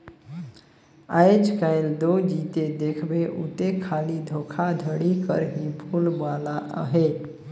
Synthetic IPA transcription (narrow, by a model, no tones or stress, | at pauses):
a̰jt͡ʃkaɪld̪od͡ʒit̪ed̪ekʰbeʔṵt̪ekʰalid̪ʱokʰad̪ʱəɽikə̰ɾɦibʱulbalaʔɦe